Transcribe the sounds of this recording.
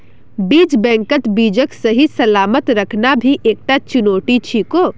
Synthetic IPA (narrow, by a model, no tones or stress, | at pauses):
biːd͡ʒbɛ̃ŋkət̪bid͡ʒəksəɦisəlaːmət̪ɾəkʰnabʱiʔeːk̚ʈat͡ʃunoːʈit͡ʃʰiko